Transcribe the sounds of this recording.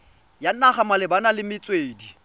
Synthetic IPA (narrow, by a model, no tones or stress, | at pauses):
jan̩aχamalɪbanalɪmɪt͡sʼweːdi